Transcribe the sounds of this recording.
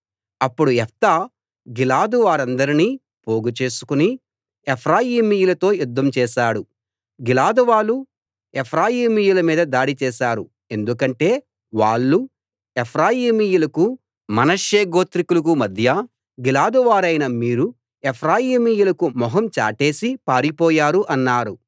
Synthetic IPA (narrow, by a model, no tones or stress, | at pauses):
ɐpːuɽuɛft̪aː | ɡilaːd̪uʋaːɾɐnd̪ɐɾiniː | poːɡut͡ʃe̞ːsu̥kuni | epʰɾaːjiːmijulɐt̪o̞ːjud̪ːɐmt͡ʃɛːʃaːɽu | ɡilaːd̪uʋaːlu | epʰɾaːjiːmijulɐmiːd̪ɐd̪aːɽit͡ʃɛːʃaːɾu | e̞nd̪ukɐɳʈe̞ː | ʋaːɭːu | epʰɾaːjiːmijulɐku | mɐnɐʂjeːɡo̞ːt̪ɾikulɐk̬umɐd̪ʱjɐ | ɡilaːd̪uʋaːɾɐjnɐmiːɾu | epʰɾaːjiːmijulɐkumɔɦɐmt͡ʃa̰ːʈe̞ːsipaːɾipɔːjaːɾuʔɐnːaːɾu